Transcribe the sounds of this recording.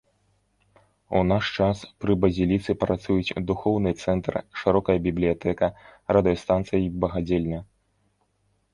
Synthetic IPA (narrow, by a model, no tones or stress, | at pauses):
unaʂt͡ʂaspɾɨbɐzʲilʲit̪sɨpɾat̪sujut͡sʲd̪uxɔwnɨt̪sɛnt̪rʂɨɾɔkɐjɐbʲiblʲijat̪ɛkɐrɐd̪ɨjɐst̪ant̪sɨjibɐɣad͡zʲelʲnʲɐ